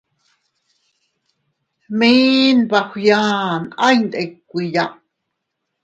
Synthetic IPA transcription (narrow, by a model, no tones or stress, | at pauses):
miːnbaxʷjaːnajnd̪ekːʷijaʔ